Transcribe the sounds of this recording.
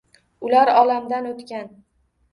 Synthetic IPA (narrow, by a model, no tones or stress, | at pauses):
ʊlaɾɒlamd̪anot̪kʲan